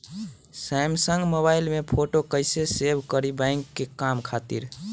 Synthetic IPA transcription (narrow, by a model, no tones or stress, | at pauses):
sɛmsə̃ŋɡmobailmepʰoʈokəjsesebʱkəɾibãjŋkːekamkʰat̪ḭɾ